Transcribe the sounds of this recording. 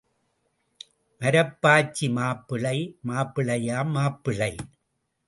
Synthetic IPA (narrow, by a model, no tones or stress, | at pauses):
ʔɐɾɐpːaːt͡ʃːimaːpːɪɭɐɪmaːpːɪɭɐjaːmːaːpːɪɭɐɪ